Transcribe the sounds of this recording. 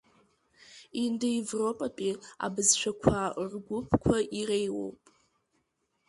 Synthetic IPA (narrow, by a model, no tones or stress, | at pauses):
indaivro̞pʼapʼia̰bɨzʃʷᶣʰakʷʰarɡʷʊpʰkʷʰaʔirejwo̰wpʼ